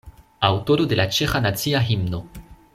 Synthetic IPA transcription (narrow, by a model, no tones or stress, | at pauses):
awto̞ɾo̞de̞lat͡ʃe̞xanat͡siaɦimno̞